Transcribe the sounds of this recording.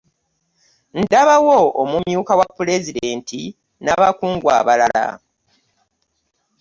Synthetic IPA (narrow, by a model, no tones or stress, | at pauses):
n̩daβawoomumjuːkawapːule̞zide̞ːntʰi | naβakuːŋɡwa̰ːβalala̰